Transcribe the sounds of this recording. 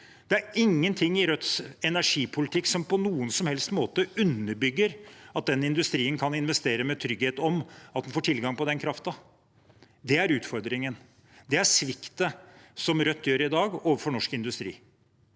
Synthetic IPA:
d̪̥ɛæɾɪŋːənt̪ʰɪŋːɪɾœt̪ːsɛnæʂiːpʰʊlɪt̪ʰɪkːsɔmpʰɔnuːənsɔmhɛlst̪moːt̪əʉnːəɾbʏɡːəɾɑt̪̚d̪ɛnːɪnd̪ʉst̪ɾiːənkʰɑnɪnʋɛst̪eːɾəmɛt̪ʰɾʏɡheːt̪ɔmɑt̪d̪ɛnfoːʈʰɪlɡɑŋpɔd̪ɛnkʰɾɑft̪ɑ | d̪ɛæɾʉːt̪fɔɾd̪ɾɪŋən | d̪ɛæʂʋɪkt̪əsɔmɾœt̪ːjøːɾɪd̪ɑːɡoːʋəɾfɔɳɔʂkɪnd̪ʉst̪ɾḭː

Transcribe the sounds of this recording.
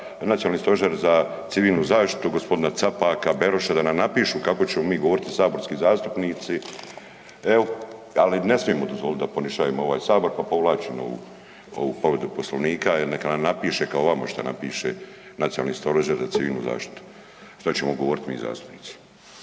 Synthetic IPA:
nat̪ijonalniːst̪oʒeɾza | t̪siʋiːlˠnuzaːʃt̪i̥t̪uɡospo̞d̪inat̪sapaːkabe̞ɾoʃad̪anamnapiːʃukako̞t͡ɕe̞momiːɡoʋoːɾit̪isaːbo̞ɾskiːzaːst̪upniːt̪si | eo | aline̞smijemod̪ozvo̞lit̪̚d̪apo̞niʃaːʋemoo̞ʋaːjsaːbo̞ɾpapo̞ʋlˠaːt͡ɕemo̰ṵ | o̰ṵpoʋɾe̞d̪upo̞sloʋniːkaenekanamnapiːʃekaoʋama̰ʃt̪a̰na̰piːʃe | nat̪sionalniːst̪o̞ɾaʒeɾzat̪siʋiːlˠnṵza̰ːʃt̪i̥t̪u̥ | ʃt̪at͡ɕemoɡoʋo̞ːɾit̪mḭːza̰ːst̪u̥pniːt̪si̥

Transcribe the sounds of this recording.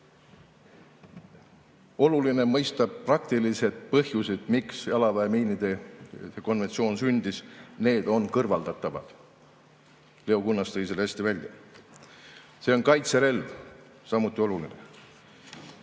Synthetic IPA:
o̞luline̞mɤjst̪ɑb̥̚prɑkt̪ilise̞d̪̥̚pɤhjuse̞d̪̥miksjɑlɑvɑemiːnid̪̥e̞ko̞nve̞nsio̞ːnsynʲd̪̥isne̞ːd̪̥o̞nkɤrvɑld̪̥ɑt̪ːˑɑvɑd̪̥ | le̞okunːɑst̪ɤjs̬elhesʲt̪ivælʲjɑ | se̞o̞nkɑjt̪seɾe̞lv | sɑmut̪ːˑio̞luline̞̰

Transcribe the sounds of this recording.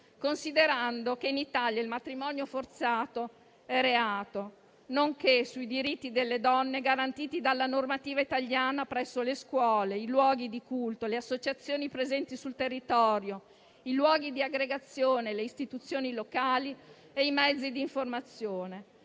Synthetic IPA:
konsid̪eɾand̪okeinit̪aljailmat̪ɾimɔnjofort̪saːt̪o | ɛɾeaːt̪o | noŋkesuid̪iɾit̪ːid̪elːed̪ɔnːeɡaɾant̪iːt̪id̪alːanormat̪iːvait̪aʎjaːnapɾɛsːoleskwɔːleilwɔːɡid̪ikult̪oleasːot͡ʃat̪sːjoːnipɾezɛnt̪isult̪erːit̪ɔːɾjo | ilwɔːɡid̪iaɡɾeɡat̪sːjoːneleist̪it̪ut̪sːjoːnilokaːli | eimɛd̪zːid̪iːɱformat̪sːjoːne

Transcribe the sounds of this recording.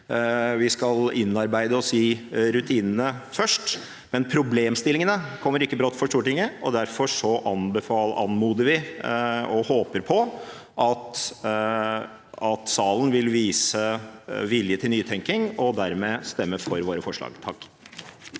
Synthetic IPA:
ʋɪskɑlɪnːɑɾbæɪd̪əɔsiːɾʉt̪ʰiːnənəfœʂʈ | mɛnpʰɾʊbleːmst̪ɪlɪŋənəkʰɔmːəɾɪkːəbɾɔt̪ːfɔʂʈ̪uːɾəʈɪŋːəʔɔd̪æɾfɔʂɔʔɑnbəfɑːɑnmuːd̪əɾʋɪ | ɔhoːpəɾpʰɔ | ʔɑt̪ | ɑt̪sɑːlən̩ʋɪlʋiːsəʋɪljət̪ʰɪlnyːt̪ʰɛŋkɪŋɔd̪æɾmeːst̪ɛmːəfɔɾʋoːɾəfɔʂɭɑ̰ːɡt̪ʰɑkː

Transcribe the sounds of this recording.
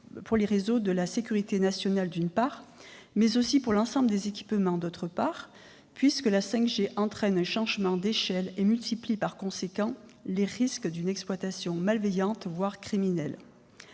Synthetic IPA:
puʁleʁezod̪əlasekʲyʁit̪enasjɔnald̪ynpaʁ | mɛzosipuʁlɑ̃sɑ̃bləd̪ezekʲi̥pmɑ̃d̪ot̪χəpaʁ | pɥiskəlasɛ̃kʒeʔɑ̃t̪χɛnɛ̃ʃɑ̃ʒmɑ̃d̪eʃɛlemylt̪iplipaʁkɔ̃sekɑ̃leʁiskd̪ynɛksplwat̪asjɔ̃malvejɑ̃t̪vwaʁkχiminɛl

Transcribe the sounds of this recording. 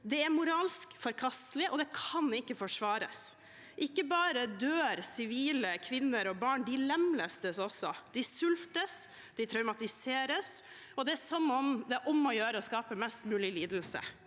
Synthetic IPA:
d̪ɛæɾmʊɾɑːlskfɔɾkʰɑst̪lɪʔɔd̪ɛkʰɑnɪkːəfɔʂʋɑːɾə̰s | ʔɪkːəbɑːɾəd̪øːɾsɪʋiːləkʰʋɪnːəɾɔbɑːɳɖɪlɛmləst̪əsɔsɔd̪̥ɪsʉlft̪əs | d̪ɪt̪ʰɾɑʉmɑt̪ɪseːɾəs | ɔd̪ɛæsɔnːɔmd̪ɛʔɔmɔjøːɾəɔskɑːpəmɛst̪mʉːlɪliːd̪l̩sə̰

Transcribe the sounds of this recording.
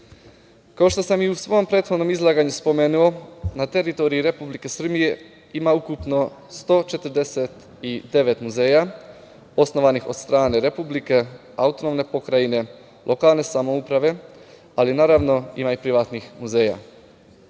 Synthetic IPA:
kaoʃt̪o̞samiusʋo̞mpɾe̞ːt̪xono̞mizlˠaːɡaɲuspo̞me̞ːnuo̞nat̪eɾit̪o̞ɾiiɾe̞publike̞sr̩bije̞ | imaukupno̞st̪o̞t͡ʃe̞t̪ɾd̪e̞se̞t̪ | id̪e̞ʋe̞t̪muze̞ːja | o̞sno̞ʋanixo̞̰d̪st̪ɾaːne̞ɾe̞publike̞ | aut̪o̞no̞mne̞po̞kɾaine̞ | lʔo̞kaːlne̞samo̞upɾaʋe̞ | alinaːɾaʋno̞ḭmaipɾiʋat̪nixmuze̞ːja̰

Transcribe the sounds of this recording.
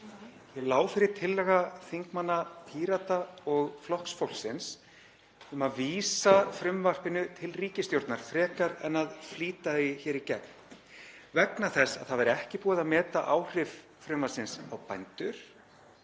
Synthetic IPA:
jɛlaːwfɪɾɪɾ̥t̪ʰɪlːɛɣaθiŋkmanːat̪ʰiːɾat̪aɔɣflɔhksfowl̥sɪns | ʏmaðviːsafɾʏmvar̥pɪnʏt̪ʰɪlriːcɪst̪jowɾt̪naɾ̥fɾɛːkaɾɛ̰nːaðfliːt̪aɪçɛːɾicɛp̚n | vɛknaθɛsːa̰ðθaðvɛɾɛhcɪpuːaðaðmɛːt̪aʔaːwr̥ɪv | fɾʏmvasɪnsawpajnt̪ʏɾ̥

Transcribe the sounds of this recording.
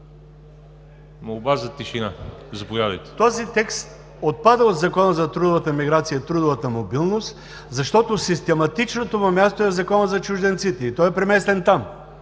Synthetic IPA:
mowbazɐt̪iʃinazɐpojad̪ɐjt̪ɛ̥t̪ɔzit̪ɛkst̪̚ | ot̪̚pad̪əod̪zɐkɔnəzɐt̪ɾud̪ʊvət̪əmiɡɾat̪sijət̪ɾud̪ʊvət̪əmobilˠnost̪ | zɐʃt̪ɔt̪osist̪ɛmɐt̪it͡ʃnot̪ovɐmʲjast̪oɛzɐkɔnəzɐt͡ʃuʒd̪ɛnt̪sit̪ɛit̪ɔjɛpɾɛmɛst̪ɛnt̪am

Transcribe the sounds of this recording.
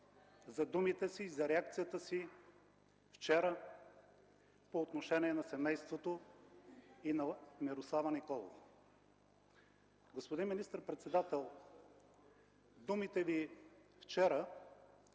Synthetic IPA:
zɐd̪umit̪ɛsiːzɐɾɛak̚t̪sijət̪əsi | ft͡ʃɛɾə | poːt̪noʃɛniɛnɐsɛmɛjst̪vot̪o | inɐmiɾoslˠavɐnikɔlˠo̰v | ɡospod̪inminist̪əɾpɾɛt̪sɛd̪at̪ɛlˠ | d̪umit̪ɛvift͡ʃɛɾə

